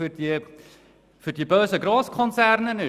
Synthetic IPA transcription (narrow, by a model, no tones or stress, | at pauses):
ərdi | fərdibøːsəɡrɑːskʰɔnsærnəny